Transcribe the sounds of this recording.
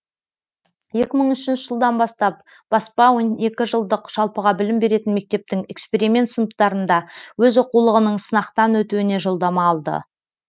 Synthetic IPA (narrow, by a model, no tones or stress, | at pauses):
je̞kʲɪməɴʏʃɪnʃəʒəlˠd̪ɑnbɑst̪ɑp̚ | b̥ɑspɑwo̞ne̞kʲɪʒəlˠd̪əqʒ̥ɑlˠpəʁɑbɪlɪmbe̞ɾe̞t̪ɪnme̞k̚t̪e̞p̚t̪ɪŋe̞kspe̞ɾimʲe̞nt̪sənəqt̪ɑɾənd̪ɑwɵzoqulˠəʁənəɴsənɑqt̪ɑnwɵt̪uɪne̞ʒo̞lˠd̪ɑmɑːlˠd̪ə̰